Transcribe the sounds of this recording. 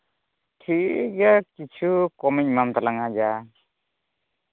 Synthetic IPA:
ʈʰiʔkakit͡ʃʰukɔmiɲ̚mamt̪alaŋad͡ʒa

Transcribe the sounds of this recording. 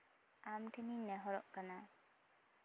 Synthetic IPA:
amʈʰeninːɛɦɔɾɔʔkana

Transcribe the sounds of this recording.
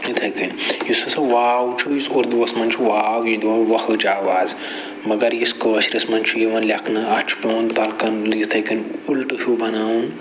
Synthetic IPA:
it̪ʰɐkinjisɐsɐʋaːwt͡ʃʰujisoɾd̪uɐsmɐnt͡ʃʰuʋaːwjid̪oːʋɐxlɨt͡ʃʰaːʋaːz | mɐɡɐɾjiskɐʋɐʃɾismɐnt͡ʃʰujiʋɐnlʲɐkʰnɨɐt͡ʃʰpɐːnt̪ɐlkɐnlist̪ʰɐkɐnʲulʈhʲubɐnaːwn

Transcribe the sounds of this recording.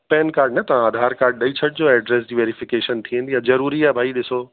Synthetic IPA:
pɛːnkaːɾɖnɐt̪ɐʋãaːd̪ʱaːɾkaːɾɖ̚ɗɐit͡ɕʰɐʈ̚d͡ʑoːɛːɖɾeːs̬d͡ʑiːʋeːɾifɪkeːʃənt̪ʰiẽn̆d̪ijazɐɾuːɾiaːɦbʱaːiɗɪsoː

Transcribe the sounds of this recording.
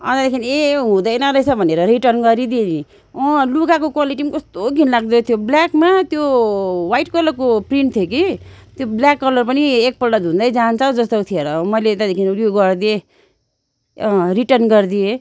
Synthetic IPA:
ʌ̰t̪ad̪ekʰineɦũd̪ʌjnʌɾʌjt͡sʰʌbʱʌneɾʌɾiʈʌrnɡʌɾid̪ini | ʌluɡakokwaliʈimkʌst̪oɡʱinlaɡ̚d̪ʌt̪ʰjobljakmat̪jowajʈkʌlʌrkopriɳʈt̪ʰjok̬i | t̪jobljakːʌlʌrpʌniek̚pʌlɖʌd̪ʱũnd̪ʌjd͡zant͡saw̃d͡zʌst̪owt̪ʰieɾʌmʌjleːt̪ad̪ekʰinljoɡʌrd̪ie | riʈʌrnɡʌrd̪ie

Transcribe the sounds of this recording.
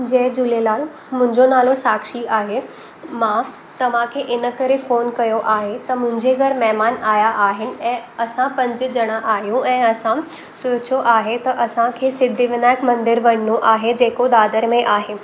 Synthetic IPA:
d͡ʑɐ̃ɦd͡ʑʊlelaːl | mʊ̃ɪ̃ɲd͡ʑonaːlosaːkʃiaːɦe | mãː | t̪ɐʋ̤ãkʰeːʔɪnəkɐɾefoːnkɐjoʔaːɦet̪ɐmʊ̃ɦɪ̃ɲd͡ʑeɡʱɐɾmɛɦmaːnaːjaʔaːɦɪnɪ̆ɛ̃ːɐsãpɐ̃ɲd͡ʑɪ̆d͡ʑɐɽ̃aʔaːɦijũʔɛ̃ːɐsã | soːt͡ɕʰjoʔaːɦet̪ɐʔɐsãkʰeːsɪd̪ʱiʋɪnaːɪkmɐ̃nd̪ɪɾʋɐɽ̤ɪnoʔaːɦed͡ʑeːkod̪aːd̪əɾmẽʔaːɦeː

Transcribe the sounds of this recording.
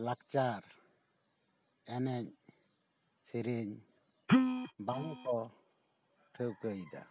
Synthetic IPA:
lakt͡ʃaɾ | ɛnɛɲ | siɾiɲ | baŋɔt̪ɔ | ʈʰəwkəjd̪a̰

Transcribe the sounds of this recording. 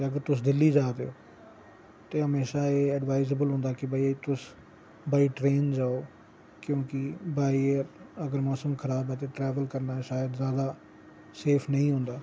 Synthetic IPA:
eəɡəɾt̪ʊs̬d̪ɪlːiːd͡ʒaːd̪eo̰ː | t̪eːɦəmeːʃaːeːəɖʋaːɪzebəlɦõːnd̪aːkɪbaːit̪ʊs | baːiːʈɾeːnd͡ʒaːoː | kjõːkɪbaːiəɡəɾmɔːsəmkʰəɾaːbɛːt̪eːʈɾɛːʋəlkəɾnaːɛʃaːjəd̪zjaːd̪aː | seːpʰnəĩːɦõːnd̪aː

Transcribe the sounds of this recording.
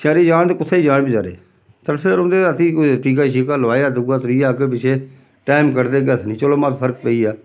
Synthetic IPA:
saːɾiːd͡ʒaːnt̪ːkʊt̪ʰːeːiːd͡ʒaːɽbiːd͡ʒaːɾḛː | t̪əɾpʰɪɾʊnd̪eːət̪iːt̪iːk̬aːʃ̬iːkaːlʋaːjaːd̪ʊɡaːt̪ɾiːjaːkepɪt͡ʃʰeː | ʈaːɪmkəɾd̪eːɡət̪ʰnĩːt͡ʃəloːmat̪pʰəɾk̚pəiːaː

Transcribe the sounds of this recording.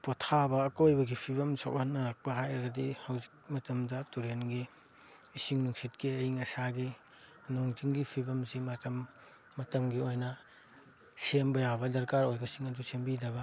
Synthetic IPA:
potʰabɐːkojbɐɡipʰibɐmsa̰whɐnːɐlɐk̚pɐɦajɾɐɡɐdihawzik̚mɐtɐmdɐtuɾenɡiː | siŋnuŋsit̚kiɐjiŋɐsaɡi | noŋziŋɡipʰibɐmsimɐtɐmː | ɐtɐmɡiojnɐ | sembɐjabɐdɐɾkaɾojɡɐsiŋɐdusembidɐbɐ

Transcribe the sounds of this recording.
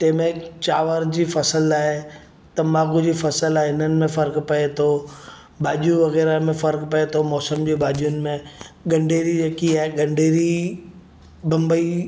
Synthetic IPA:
t̪ɐ̃ɦmẽt͡ɕaːʋəɾd͡ʑiːfɐsəlaːɦe | t̪ɐmaːɣud͡ʑiːfɐsəlaːɦeɦɪnənɪ̆mẽfɐɾkpɐet̪ʰo | bʱaːʄijũʋɐɣɛːɾamẽfɐɾkpɐet̪ʰomɔːsəmd͡ʑebʱaːʄijʊnɪ̆mẽɠɐ̃ɳɖʱeːɾiɾeːkiaːɦeɡɐ̃ɳɖʱeːɾi | bɐ̃mbəi

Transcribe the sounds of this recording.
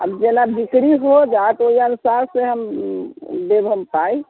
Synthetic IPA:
ə̰bd͡ʒelabʱikɽiɦod͡ʒaet̪oiənusaɾseɦəm | bebʱəmpai

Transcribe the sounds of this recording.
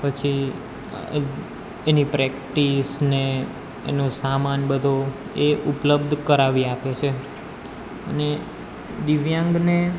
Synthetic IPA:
pət͡ʃʰi | enipɾɛkʈisne | ḛnũsamanbəd̪ʱo | eʔupləbd̪ʱkəɾaʋiapet͡ʃʰe | ə̰ne | d̪iʋjãŋɡne

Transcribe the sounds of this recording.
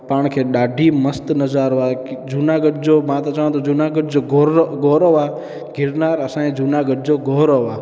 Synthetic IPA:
paːɳkʰeːɗaːɖʱiːməst̪nəd͡ʒaːɾʋaːkd͡ʒunaɡəɖ̚d͡ʒoːmãt̪õt͡ʃəʋãt̪od͡ʒunaɡəɖd͡ʒoːɡoɡoːɾoʋa | ɡʱɪɾnaːɾəsãːẽd͡ʒunaːɡəɖ̚d͡ʒoɡoɦɾoːʋaː

